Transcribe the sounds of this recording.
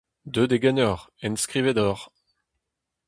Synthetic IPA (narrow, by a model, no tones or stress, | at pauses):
d̪ød̪eɡɛnɔʁɛnskʁivɛd̪ɔʁ